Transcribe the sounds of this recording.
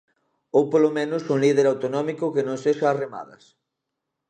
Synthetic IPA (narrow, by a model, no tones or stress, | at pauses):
owpolomẽnʊsuŋlið̞eɾawt̪onɔmikʊkenõŋseʃaːrema̰ðɐ̰s